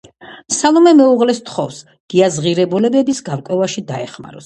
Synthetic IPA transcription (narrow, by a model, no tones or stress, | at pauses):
salˠɔmɛmɛuʁlɛst̪ʰχɔvs | ɡ̥iazʁiɾɛbulɛbɛbisɡaɾkʼwɛvaʃid̪aɛχma̰ɾɔs